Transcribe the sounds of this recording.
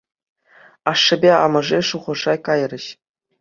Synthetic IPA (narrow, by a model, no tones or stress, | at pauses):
ɑʂːɘ̆bʲeɑ̰mɤ̆ʐeʂuʁɤ̆ʐɑkɑjrʲɘ̆ɕ